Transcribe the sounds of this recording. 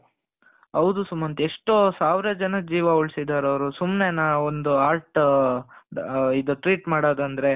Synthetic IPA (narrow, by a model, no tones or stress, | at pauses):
ɦɐwd̪usumːɐnt̪eʂʈosaːʋɾɐd͡ʒɐnɐd͡ʒiːʋɐuɭsid̪aːɾɐʋɾusumnenaond̪uaːɾʈ | id̪uʈɾiːʈmaːɽaːd̪ɐnd̪ɾe̞